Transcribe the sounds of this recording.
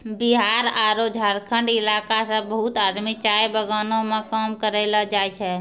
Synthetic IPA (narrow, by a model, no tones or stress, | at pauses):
bɪɦaːɾaːɾod͡ʒʱaːɾkʰə̃ɳɖɪlaːkasãbəɦʊt̪aːd̪mit͡ʃaːjbəɡaːnõmẽkaːmkəɾeːlad͡ʒaːjt͡ʃʰɛː